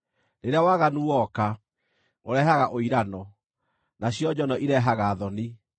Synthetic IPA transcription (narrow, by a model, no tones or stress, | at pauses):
neɾeawaɣanuwɔka | oɾɛɦaɣaʔoiɾanɔ | naɕjɔd͡ʒɔnɔʔiɾɛɦaɣaːðɔni